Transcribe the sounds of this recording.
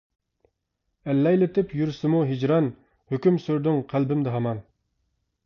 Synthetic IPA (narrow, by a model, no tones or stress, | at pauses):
ɛlːɛjlɪt̪ʰɪpjyɾsɪmuɦɪd͡ʒɾɑn | høkʲymsøɾd̪yŋqʰælbɪmd̪ɨɦɑmɑn